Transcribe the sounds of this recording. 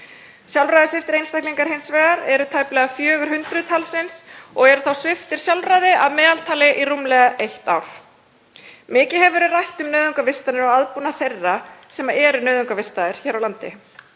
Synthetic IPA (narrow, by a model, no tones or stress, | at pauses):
sjalvɾajðɪsɛft̪ɪɾejnst̪ahk̪liŋkaɾ̥hɪnsvɛːɣaɾɛɾʏt̪ʰaːjplɛɣafjœːɣʏɾ̥hʏnt̪ɾʏt̪ʰalsɪnsɔɣɛɾʏθawsvɪft̪ɪɾ̥sjawlvɾajðɪʔaðmɛːðalt̪ʰaːlɪʔirumlɛɣaʔejht̪a̰wf | mɪːcɪɦɛvɾʏrajht̪ʏmnœːðʏŋkavɪst̪anɪɾɔwaðpunaθejrːasɛmaɾʔɛɾʏnœːðʏŋkavɪst̪aðɪɾ̥çɛːɾawlant̪ɪ̰